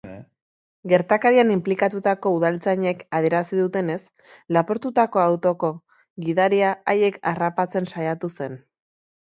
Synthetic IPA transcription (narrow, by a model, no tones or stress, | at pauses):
ɡe̞ɾt̪akaɾianimplikat̪ut̪ako̞uð̞alt͡saɲe̞kaðie̞ɾasiðut̪e̞ne̞s | lapo̞ɾt̪ut̪ako̞awt̪o̞ko̞ | ɣiðaɾiaaje̞karapat͡se̞nsajat̪use̞n